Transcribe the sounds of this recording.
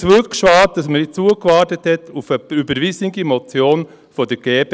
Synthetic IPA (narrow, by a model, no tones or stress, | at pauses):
t͡sʋʉkʃʋɑːt̚d̥ɑsməɪt͡suəkʋɑːɾtəthɛtʰufəybəɾʋisniɡimɔt͡sjoːn | fɔd̥əɾɡ̥eːb